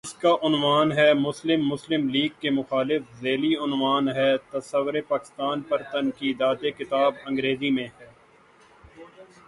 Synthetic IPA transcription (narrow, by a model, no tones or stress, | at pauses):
ɪskaʔʊnʋaːnɦɛmʊslɪmːʊslɪmliːɡ̚kːemʊxaːlɪfzeːliʊnʋaːnɦɛːt̪ɐsɐʋɾepaːkɪ̥st̪aːnpɐɾt̪ɐnkiːd̪aːt̪ekɪt̪aːbɐ̃ŋɡɾeːzimẽɦɛː